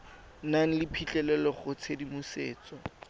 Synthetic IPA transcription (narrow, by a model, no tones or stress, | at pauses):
naŋ̩lɪpʰit͡ɬʼɛlɛlɔχʊt͡sʰedimʊseːt͡sɔ